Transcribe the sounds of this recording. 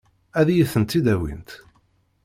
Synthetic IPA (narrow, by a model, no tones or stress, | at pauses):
æðjiθənt̪ːid̪æwḭnt̪